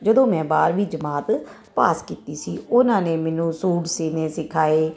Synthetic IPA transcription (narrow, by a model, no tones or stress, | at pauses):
d͡ʒəd̪õːmɛ̃ːbaːɾʋiːd͡ʒəmaːt̪ | paːskiːt̪iːsiːʊnãːneːmɛːnũːsuːɖsiːneːsɪkʰaːeː